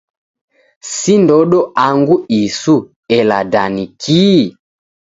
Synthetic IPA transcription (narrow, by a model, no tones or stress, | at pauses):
sindɔɗɔaŋɡuisu | ɛla̰danikʰi